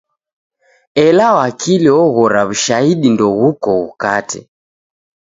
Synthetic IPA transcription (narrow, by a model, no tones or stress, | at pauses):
ɛlawakʰiliɔɣɔɾaβuʃaiɗindɔɣukɔɣukatɛ̰